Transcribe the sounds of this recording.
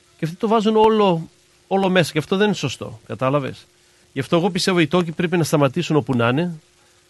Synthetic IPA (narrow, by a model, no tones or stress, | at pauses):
ceɐft̪it̪ovɐzuno̞lo | o̞lo̞me̞sɐ̥ceɐft̪oðenineso̞st̪o̞̰kɐt̪ɐlɐve̞̰s | ʝɐft̪oɣo̞pist̪e̞vo̞it̪o̞cipɾe̞pinɐst̪ɐmɐt̪isuno̞punɐne